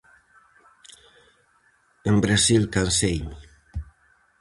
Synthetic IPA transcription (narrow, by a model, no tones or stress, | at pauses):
embɾasilkansejɲ